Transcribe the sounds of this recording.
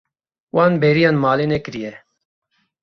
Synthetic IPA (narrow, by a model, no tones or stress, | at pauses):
waːnbɛːɾijaːnmaːlenɛkɨɾijɛ